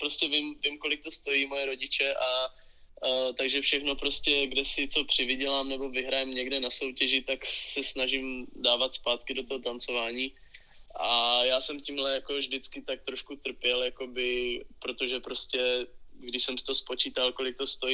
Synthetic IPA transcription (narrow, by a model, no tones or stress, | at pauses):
pɾoscɛvɪmvɪmko̞lɪk̚t̪o̞st̪o̞jiːmo̞jɛɾo̞ɟɪt͡ʃɛʔa | t̪aɡʒɛfʃɛxno̞pɾo̞scɛɡdɛsɪt͡so̞pr̥ɪvɪɟɛlaːmnɛbo̞vɪɦɾajɛmɲɛɡdɛnaso̞wcɛʒɪt̪aksɛsnaʒɪmdaːvat̪spaːt̪kɪdo̞t̪oɦot̪ant͡so̞vaːɲiː | ʔajaːsɛmciːmlɛjako̞vdɪt͡skɪt̪ak̚t̪ɾo̞ʃkut̪r̩pjɛljako̞bɪpɾo̞t̪oʒɛpɾo̞scɛɡdɪʃsɛmsɪt̪oospo̞t͡ʃiːt̪alko̞lɪk̚t̪o̞st̪o̞ji